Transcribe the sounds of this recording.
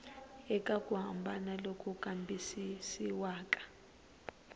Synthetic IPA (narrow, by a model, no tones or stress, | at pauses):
ɛkʼakʼuɦambʱanalokʰʼukʼambʱisisiwaːkʼḁ